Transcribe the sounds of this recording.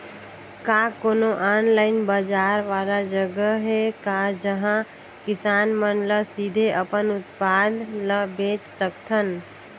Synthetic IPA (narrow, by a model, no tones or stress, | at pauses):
kakonoʔanlaɪnbəd͡ʒaɾʋalad͡ʒəɡəɦekad͡ʒəɦã | kisanmənləsid̪ʱeʔəpənut̪̚pad̪ʱləbẽt͡ʃsəkt̪ʰən